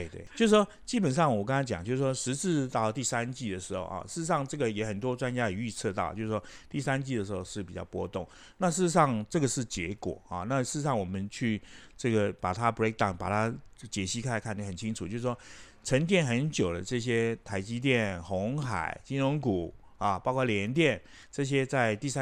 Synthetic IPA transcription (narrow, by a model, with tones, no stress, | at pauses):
t̪e˥˩ɪt̪we˥˩t͡ɕjo˥˧ʊʂu˥ʂwɔ˥t͡ɕi˥pə˨˩nʂɑ˥˩ŋwɔ˨˩ka˥ŋt͡sa˧˥t͡ɕjɑ̰˨˩ŋt͡ɕjo˥˧ʊs̩˥˩ʂwɔ˥ʂɻ̩˧˥t͡s̩˥˧t̪ɑ˥˩ʊ˩t̪i˥˩sa˦nt͡ɕi˥˩d̪ə˩ʂɻ̩˧˥xo̰˥˧ʊɑ̰˨˩ʂɻ̩˥˩ɻ̩˧ʂɑ˥˧ŋʈ͡ʂɤ˥˩ɡə˩˨jɛ˧˥xə˨˩nt̪̬wɔ˥ʈ͡ʂwa˥nt͡ɕja˥i˨˩y˥˧t͡sʰɤ˥˧t̪ɑ˥˩ʊt͡ɕjo˥˧s̩˥ʂwɔ˥t̪i˥˩sa˥nt͡ɕi˥˩d̪ə˩ʂɻ̩˧˥xo˥˧ʊʂɻ̩˥˩pi˨˩t͡ɕjɑ̰˥˩ʊpwɔ̰˥t̪ʊ˥˩ŋ | na˥˧ʂ̬ɻ̩˥˩ɻ̩˧˦ʂɑ˥˧ŋʈ͡ʂɤ˥˩ɡə˩ʂɻ̩˥˩t͡ɕjɛ˧˥kwɔ̰˨˩ɑ̰˥˩na˥˧ʂɻ̩˥˩ɻ̩˧˦ʂɑ˥˩ŋwɔ˨˩mə˦nt͡ɕʰy˥˧ʈ͡ʂɤ˥˩ɡə˩pa˨˩t̪ʰa˦bɹe˥k̚d̪a˥˩ʊnpa̰˨˩t̪ʰa˥t͡ɕjɛ˨˩ɕi˥kʰa˥˩˧kʰa˥˩nə˥˩xə˨˩nt͡ɕʰi˥ŋʈ͡ʂʰu˨t͡ɕjo˥˧sʂ̩˥˧˩ʂwɔ˥ | ʈ͡ʂʰə˧˥ŋt̪̬jɛ˥˩nxə˧˥nt͡ɕjo˨˩ʊd̪ə̰˦ʈ͡ʂɤ˥˩ɕ̬jɛ˥t̪ʰa˧˥ɪt͡ɕi˧˥t̪̬jɛ˥˩nxʊ˧˥ŋxa̰˨˩˦ɪt͡ɕi˥nɻʊ˧˥ŋku˨˩ | ɐ˩pɑ˥ʊkʰwɑ˥˩ljɛ˧˥nt̪̬jɛ˥˩n | ʈ͡ʂɤ˥˩ɕ̬jɛ˥t͡sa˥˧ɪt̪i˥˩˥